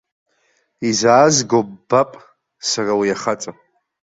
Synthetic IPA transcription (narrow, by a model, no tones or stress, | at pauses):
izaːzɡobbapʼ | sarawijaχat͡sʼa